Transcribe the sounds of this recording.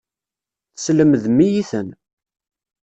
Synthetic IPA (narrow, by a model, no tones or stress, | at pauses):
θsləməðmijiθən